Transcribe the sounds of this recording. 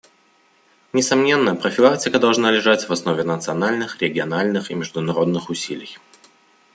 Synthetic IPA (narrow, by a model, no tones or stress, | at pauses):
nʲɪsɐmnʲe̞nːəpɾəfʲɪlˠaktʲɪkəd̪ɐlˠʐnalʲɪʐatʲvɐsno̞vʲɪnət̪sɨɐnalʲnɨxɾʲɪɡʲɪɐnalʲnɨximʲɪʐd̪ʊnɐɾo̞d̪nɨxʊsʲilʲɪj